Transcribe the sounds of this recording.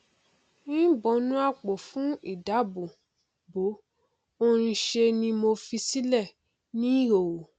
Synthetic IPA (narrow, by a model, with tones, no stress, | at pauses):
ĩ˦bɔ̃˨˧nũ˦a˦˨k͡po˨fũ˨˦i˦˨da˨˦bu˨ | bo˨˦ | o˦˧nĩ˧ʃe˧nĩ˧mo˧fi˧si˦lɛ˦˨ | nĩ˦i˦˨o˨wo˨